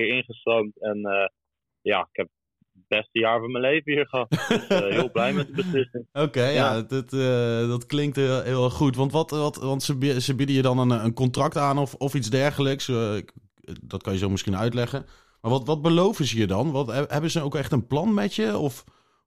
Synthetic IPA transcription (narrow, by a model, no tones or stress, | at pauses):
ɪɹɪnχəstowmtɛnə | ja̰ːɪkɛp̚ | b̥ɛstəjaːɹvɔɹmənlejvəhiːɹχəɦɑtɦɪlˠblɛjmɛt̚dəbəslɪsɪŋokejjadətədɑtklɪŋk̚tːlˠɦɪːlˠχutʋɑntʋɑtʋɑtʋɑntsəbsəbɪdəjədɑnənənkɔntrɑk̚taːnɔfɔfitzdɛɹχələks | dɑtkɑnjəzowmɪsχinœɥtlɛχən | maːɹʋɑtʋɑd̚bəlowvənzəiəːdɑnʋɑtɦɛbənzəowkɛχtənplɑnmɛtjəɔf